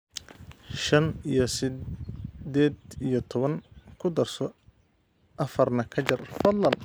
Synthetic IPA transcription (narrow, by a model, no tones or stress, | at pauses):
ʃɐnijɞsɪ | d̪ɛːd̪ijɔt̪ʰɔβɐŋkʰʊd̪ɐrsɔ | ʔɐfɐrnɐkʰɐt͡ʃɐrfɐd̪lːɐn